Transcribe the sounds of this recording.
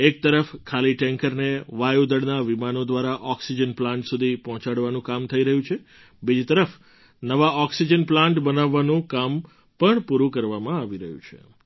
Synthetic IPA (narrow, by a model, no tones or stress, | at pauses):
ek̚t̪əɾəfkʰaliʈɛ̃ŋkəɾneʋajud̪əɽnaʋimanod̪ʋaɾaʔɔksid͡ʒənplãɳʈsud̪ʱipɔɦt͡ʃaɽʋanũkamt̪ʰəiɾəɦũt͡ʃʰe | bid͡ʒit̪əɾəf | nəʋaɔksid͡ʒənplãɳʈbənaʋːanũkam | pəɳpuɾũkəɾʋamãaʋiɾəɦṵ̃t͡ʃʰḛ